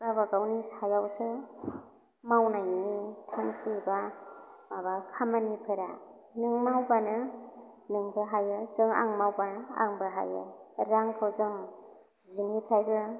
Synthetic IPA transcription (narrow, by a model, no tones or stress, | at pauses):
ɡabaɡawnisajawsɯ | mawnajnitʰaŋkʰibamabakʰamanipʰɯɾa | nɯŋmawbanɯ | nɯŋbɯɦajɯzɯŋa̰ŋmawbana̰ŋbɯɦa̰jɯ̰ɾaŋkʰɯwzɯŋ | zinipʰɾajbɯ